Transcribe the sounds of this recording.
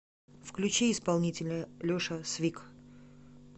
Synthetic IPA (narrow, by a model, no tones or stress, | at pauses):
fklʲʉt͡ɕeɪspalˠnʲitʲɪlʲəlʲoʂəsvʲik